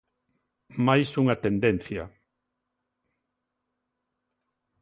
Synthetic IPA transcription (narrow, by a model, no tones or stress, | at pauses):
majsuŋat̪end̪en̟θjɐ̰